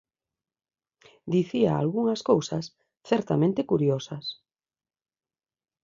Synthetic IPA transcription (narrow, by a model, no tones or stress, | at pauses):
d̪iθiaa̰lɣuŋɐskowsɐs | θɛɾt̪amẽnt̪ɪkuɾjɔsɐs